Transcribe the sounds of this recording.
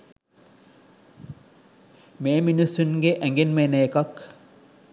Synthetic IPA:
meːminisunɡeʔɛŋɡenmeneːkɐk

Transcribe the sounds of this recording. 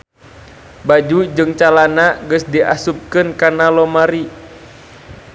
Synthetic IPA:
bad͡ʒud͡ʒɨŋt͡ʃalanaɡəsdiʔa̰sup̚kɨnkanalɔmaɾi

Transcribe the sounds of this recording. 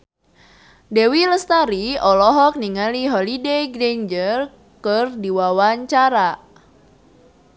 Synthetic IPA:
dewiləst̪aɾiɔlɔɦɔk̚niŋaliɦɔlidejɡɾend͡ʒər | kərdiwawaɲt͡ʃaɾa

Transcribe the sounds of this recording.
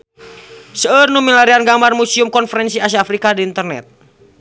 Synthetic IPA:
səərnumilaɾianɡamarmusiumkɔnfəɾɛnsiasiaafɾikadiːnt̪ərnɛ̰t̪̚

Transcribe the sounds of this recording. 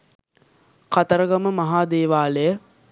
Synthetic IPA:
kat̪əɾəɡɐməmɐɦaːd̪eːʋaːləjə

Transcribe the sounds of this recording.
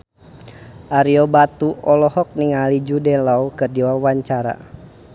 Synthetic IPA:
ʔaɾiɔbat̪uɔlɔhɔk̚niŋalid͡ʒudɛlaukɨrdiwawaɲt͡ʃaɾa̰

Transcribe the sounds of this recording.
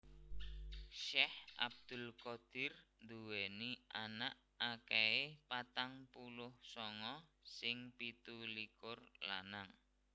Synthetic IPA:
ʃɛhʔa̰b̚d̪̥ʊ̤lkɔd̪̥ɪrnd̪uwɛniʔanaʔ | akɛepat̪aŋpulʊhsɔŋɔsɪŋpit̪ulikʊrla̰naŋ

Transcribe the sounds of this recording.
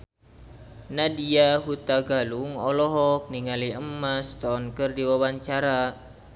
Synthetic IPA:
nadiaɦut̪aɡaluŋɔlɔɦɔk̚niŋaliəmːast̪ɔnkɨrdiwawaɲt͡ʃaɾa

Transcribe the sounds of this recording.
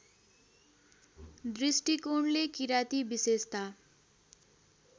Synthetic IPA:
d̪risʈikoɳlekiɾat̪ibisest̪a

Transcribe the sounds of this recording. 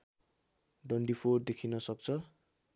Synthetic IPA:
ɖʌɳɖipʰord̪ekʰinʌsʌk̚t͡sʰʌ

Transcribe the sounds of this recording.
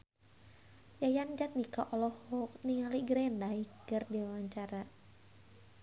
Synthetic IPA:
jajand͡ʒat̪̚nikaʔɔlɔhɔkniŋaliɡɾɛndaikːərdiawaɲt͡ʃaɾa

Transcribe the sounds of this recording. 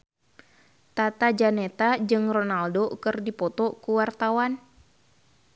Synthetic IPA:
t̪at̪ad͡ʒanet̪ad͡ʒɨŋrɔnaldokɨrdipɔt̪ɔkuwart̪awan

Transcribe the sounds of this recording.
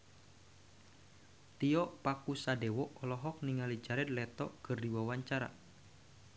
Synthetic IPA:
t̪iɔpakusadewɔɔlɔɦɔk̚niŋalid͡ʒaɾɛt̪̚lɛt̪ɔkɨrdiwawaɲt͡ʃaɾa̰

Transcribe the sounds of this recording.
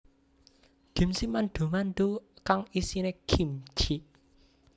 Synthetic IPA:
ɡ̥i̤msimanɖ̪̥o̤manɖ̪ukaŋisineɡ̥im̥t͡ʃi

